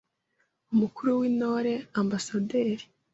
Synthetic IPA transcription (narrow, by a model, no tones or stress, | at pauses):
umukuɾuwinoːɾe̞ambasadeːɾi̥